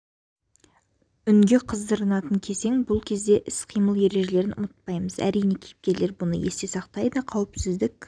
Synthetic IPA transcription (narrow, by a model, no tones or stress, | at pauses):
ʏŋɡʲe̞qʰəzd̪əɾənɑt̪əŋkʲʰe̞se̞ŋbʊlˠkʲʰe̞zd̪e̞ʔɪsqʰijməlˠje̞ɾe̞ʒe̞le̞ɾɪnʊ̰mət̪̚pɑjməzæ̰ɾijne̞kʲʰejɪp̚kʲe̞ɾle̞ɾbʊnə̰je̞st̪e̞sɑqt̪ɑjd̪əqʰɑwɪpsɪzd̪ɪkʲ